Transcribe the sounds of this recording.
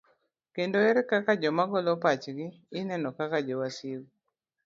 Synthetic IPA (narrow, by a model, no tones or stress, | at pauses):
kendoɛɾkakad͡ʒɔmaɡɔlɔpat͡ʃɡɪːnɛnɔkakad͡ʒɔwasil